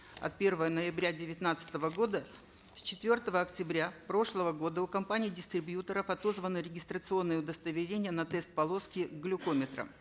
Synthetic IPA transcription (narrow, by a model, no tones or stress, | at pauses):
ɐ̰t̪̚pʲe̞rvəjənəjɪbɾʲadʲɪvʲɪt̪nat̪sɨ̥t̪əvəɡo̞d̪ə | sʲt͡ɕɪt̪vʲo̞rt̪əvəɐktʲɪbɾʲapɾo̞ʂlˠəvəɡo̞d̪əukɐmpanʲɪːdʲɪst̪ɾʲɪbjut̪əɾəfɐt̪o̞zvənɨɾʲɪɡʲɪst̪ɾət̪sɨo̞nːɨjəʊd̪əst̪əvʲɪɾʲenʲɪjənɐt̪ɛst̪̚pɐlˠo̞skʲɪɡlʲʊkomʲɪt̪ɾə̰